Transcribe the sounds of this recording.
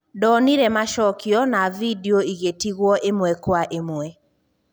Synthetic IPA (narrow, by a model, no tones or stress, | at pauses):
dɔniɾɛmaʃɔkjɔnavidioiɣetiɣwɔʔemwɛkwaʔemwɛ